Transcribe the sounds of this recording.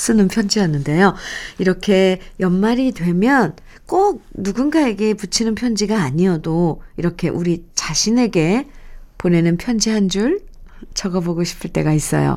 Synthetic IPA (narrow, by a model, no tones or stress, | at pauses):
s͈ɯnɯnpʰjʌnd͡ʑiɦanːɯnde̞joiɾʌkʰe̞jʌmmaɾidwe̞mjʌn | k͈ok̚nuɡunɡae̞ɡe̞put͡ɕʰinɯnpʰjʌnd͡ʑiɡaːɲiʌdoiɾʌkʰe̞ʔuɾit͡ɕaɕʰine̞ɡe̞pone̞nɯnpʰjʌnd͡ʑiɦand͡ʑuɭ | t͡ɕʌɡʌboɡoɕʰi̥pʰɯɭt͈e̞ɡais͈ʌ̰jo̰